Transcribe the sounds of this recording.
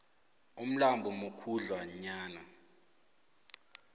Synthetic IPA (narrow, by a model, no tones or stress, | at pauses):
um̩lambʱɔmokʰuɮwaɲaːna